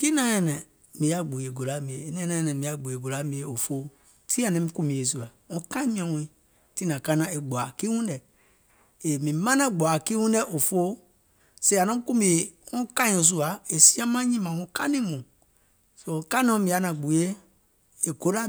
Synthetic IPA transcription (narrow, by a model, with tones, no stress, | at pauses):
ki˦nã˦jɛ̃˧˨nɛ̃˨ | mĩ˨a˨ɡ͡bu˨e˨ɡo˨la˦mĩ˨e˨˦nɛ̃˦nã˦jɛ̃˨nɛ̃˨mĩ˨a˨ɡ͡bu˨e˨ɡo˨la˦mĩ˨˦e˨o˨fo˦ | tʰi˦a˨nɛ̃˦mĩ˦kũ˧mĩ˨e˨s̬u˦a˨ŋũ˦kã˦ĩ˦mĩ˦ɛ̃˨wũ˧i˨˦ | ti˦nã˨kã˦nã˨e˨ɡ͡bʷa˨ki˦wũ˦n˦dɛ˨ | e˨mĩ˨mã˦nã˦ɡ͡bʷa˨ki˦wũ˦ndɛ˦ʔo˨fo˦ | se˦˨a˨nɔ̃˦ku˦mĩ˨e˨ŋũ˦kã˦o˨s̬u˦a˨e˨si˦ã˦mã˦ɲĩ˦mã˨ŋũ˧ka˦nĩ˦mũ˨ | so˧˨ka˦nɔ̃˨˦mĩ˨ja˦nã˨ɡ͡bu˨je˦ | e˨ɡo˨˦la˦